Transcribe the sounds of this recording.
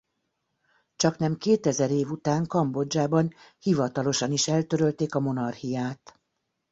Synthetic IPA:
t͡ʃɒknɛmkeːt̪ɛzɛɾeːvut̪aːŋkɒmbo̞d͡ʒaːbɒnhivɒt̪ɒlo̞ʃɒniʃɛlt̪øɾølt̪eːkɒmo̞nɒrhijaːt̪

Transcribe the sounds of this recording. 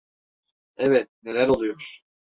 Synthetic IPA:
ɛvɛt̪̚ne̞lʲæɾolˠujoɾ̥

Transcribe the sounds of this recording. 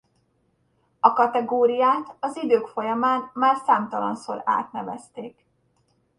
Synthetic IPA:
ɒkɒt̪ɛɡoːɾijaːt̪ɒzid̪øːkfo̞jɒmaːnmaːrsaːmt̪ɒlɒ̰nso̰ːɾa̰ːt̪nɛvɛst̪eːk

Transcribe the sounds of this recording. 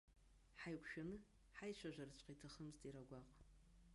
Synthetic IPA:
ħajkʷʰʃᶣanɨ | ħajʃʷaʒʷᶣart͡ɕʷʼqʼitʰaχəmztʼiɾaɡʷaqʼ

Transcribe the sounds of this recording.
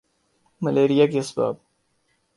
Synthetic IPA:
mɐleːɾijaːkiɐsba̰ːb̚

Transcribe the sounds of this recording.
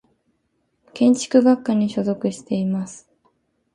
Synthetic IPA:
kẽ̞ɲ̟t͡ɕi̥kɯ̟ɡakːaɲ̟iɕo̞zo̞kɯ̟ɕi̥t̪e̞imasɨ̥

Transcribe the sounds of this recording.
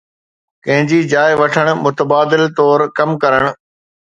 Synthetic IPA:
kɐ̃ɦɪ̃ɲd͡ʑid͡ʑaːɪʋɐʈʰəɽ̃̆mʊt̪əbaːd̪ɪlt̪ɔːɾkɐmkɐɾəɽ̃̆

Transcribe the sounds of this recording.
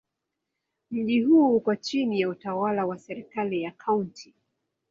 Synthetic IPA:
m̩ʄiɦuːkwat͡ʃinijautawalawasɛɾikalijakʰauntʰi

